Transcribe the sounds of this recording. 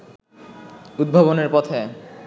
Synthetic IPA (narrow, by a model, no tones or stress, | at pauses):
ud̪̚bʱaβoneɾpɔt̪ʰe